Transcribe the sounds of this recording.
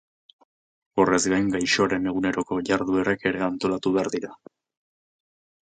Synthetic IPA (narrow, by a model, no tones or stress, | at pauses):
o̞re̞zɡajŋɡajʃo̞aɾe̞ne̞ɣ̞une̞ɾo̞ko̞ʝaɾðue̞ɾake̞ɾe̞ant̪o̞lat̪uβeaɾðiɾa